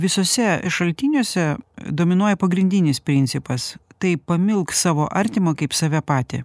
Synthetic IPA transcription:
ʋʲɪsoːsʲɛʃɐlʲt̪ʲiːnʲuːsʲɛd̪oːmʲɪnuɔjɛpɐɡɾʲɪnʲd̪ʲɪnʲɪspʲɾʲɪnʲt̪sʲɪpɐst̪ɐɪpɐmʲɪlˠkssɑːʋoːʔɐɾʲt̪ʲɪmoːkɐɪpsɑʋʲɛpɑːt̪ʲɪ̰

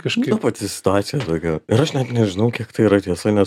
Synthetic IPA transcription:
kɐʃkːɐpɐt̪ʲɪssʲɪ̥t̪ʊɑːt̪sʲɪjɛt̪oːɡʲɛʊɪɾɐʃnʲɛt̪nʲɛʒʲɪnɐʊkʲiɛkt̪ɐɪiːɾɐt̪ʲiɛsɐnʲɛs

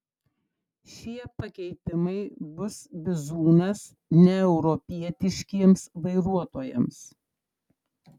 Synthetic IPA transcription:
ʃʲiɛpɐkʲɛɪt̪ʲɪmɐɪbʊsbʲɪzuːnɐs | nʲɛɛʊɾɔpʲiɛt̪ʲɪʃʲkʲiɛmsʋɐɪɾuɔt̪oːjɛ̰ms

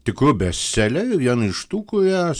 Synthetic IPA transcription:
t̪ʲɪkɾʊbʲɛssʲɛlʲɛjɛʋʲiɛnɪʃt̪uːkʊjæ

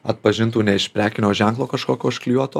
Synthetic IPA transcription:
ɐt̪pɐʒʲɪnt̪uːnʲɛɪʃʲpʲɾʲæːkʲɪnʲoːʒʲæŋklˠoːkɐʃkoːkʲoːɪʃklʲuɔt̪oː

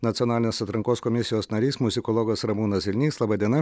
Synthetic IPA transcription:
nɐt̪sʲɔnɑːlʲɪnʲeːsɐt̪ɾɐŋkoːskɔmʲɪsʲɪjoːsnɐɾʲiːsmʊzʲɪkɔlˠɔɡɐsɾɐmuːnɐsʲʋʲɪlʲnʲiːslˠɐbɐd̪ʲiɛnɐ

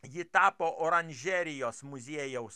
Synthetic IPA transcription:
jɪt̪ɑːpoːʔɔːɾɐnʲʒʲɛɾʲɪjoːsmʊzʲiɛjɛʊs

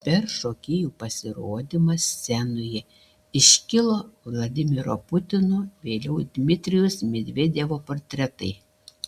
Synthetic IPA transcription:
pʲɛɾʃoːkʲɪjuːpɐsʲɪɾoːd̪ʲɪmɐssʲɛnʊjɛ | ɪʃʲkʲɪlˠoːʋlˠɐd̪ʲɪmʲɪɾo̰ːpʊt̪ʲɪnʊʋʲeːlʲɛʊd̪ʲmʲɪt̪ʲɾʲɪjʊsmʲed̪ʲʋʲeːd̪ʲeːʋoːpoːɾʲt̪ʲɾʲɛt̪ɐɪ

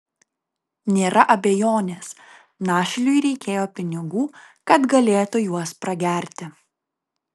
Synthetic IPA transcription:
nʲeːɾɐʔɐbʲejoːnʲeːs | nɑːʃʲɪlʲʊjɾʲɛɪkʲeːjoːpʲɪnʲɪɡuːkɐt̪ɡɐlʲeːt̪ʊjuɔspɾɐɡʲæɾʲt̪ʲɪ

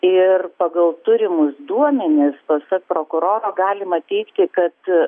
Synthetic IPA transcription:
ɪrpɐɡɐlˠt̪ʊɾʲɪmʊsd̪uɔmʲɛnʲɪspɐsɐk̚pɾoːkʊɾoːɾoːɡɑːlʲɪmɐt̪ʲɛɪkt̪ʲɪkɐt̪

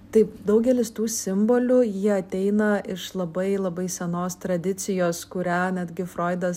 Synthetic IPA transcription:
t̪ɐɪpd̪ɐʊɡʲɛlʲɪst̪uːsʲɪmboːlʲʊjiɛɐt̪ʲɛɪnɐʔɪʃlˠɐbɐɪlˠɐbɐɪsʲɛnoːst̪ɾɐd̪ʲɪt͡s̪ʲɪjoːskʊɾʲæːnʲæd̪ʲɡʲɪfɾoːɪd̪ɐs

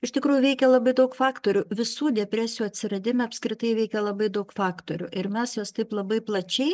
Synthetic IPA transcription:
ɪʃtʲɪkɾuːjuʋʲɛɪkʲɛlˠɐbɐɪd̪ɐʊkfɑːkt̪oːɾʲʊʋʲɪsuːd̪ʲɛpʲɾʲæːsʲɪjuːɐt̪ʲsʲɪɾɐd̪ʲɪmʲɛɐpʲskɾʲɪt̪ɐɪʋʲɛɪkʲɛlˠɐbɐɪd̪ɐʊkfɑːkt̪oːɾʲʊ̰ʔɪɾmʲɛsjoːst̪ɐɪplˠɐbɐɪplˠɐt͡ʃʲɛɪ

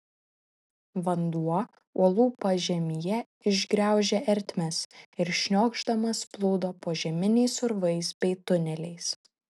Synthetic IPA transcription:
ʋɐnd̪uɔ | uɔlˠuːpɐʒʲɛmʲijɛ | ɪʒʲɡɾʲæˑʊʒʲɛʔɛɾʲt̪ʲmʲɛsɪɾʃʲnʲoːɡʒd̪ɐmɐsplˠoːd̪oːpoːʒʲɛmʲɪnʲɛɪsʊɾʋɐɪsbʲɛɪt̪ʊnʲɛlʲɛɪs

